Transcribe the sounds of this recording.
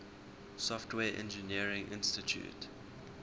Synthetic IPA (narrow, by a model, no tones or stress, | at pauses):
sɔftʰwɛːʔɛ̰̃nd͡ʒəniəɹɪ̃ŋʔɪ̃nstitʰjṵt